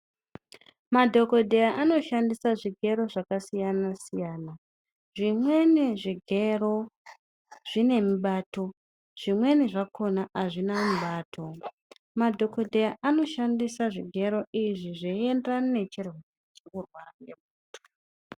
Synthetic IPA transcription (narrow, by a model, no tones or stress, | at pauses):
madʱo̞ko̞dʱejaʔano̞ʃandisaʐiɡʱe̞ɾo̞ʐakasijanasijaːna | ʐimwe̞niʐiɡʱe̞ɾo̞ | ʐ̥ine̞miɓaːto̞ | ʐ̥imwe̞niʐakʰo̞naʔaʐinamuɓaːtʰo̞ | madʱo̞ko̞dʱejaʔano̞ʃandisaʐiɡʱe̞ɾo̞iʐiʐeiendranone̞t͡ʃirwo | t͡ʃekurwaraŋɡemuːto̥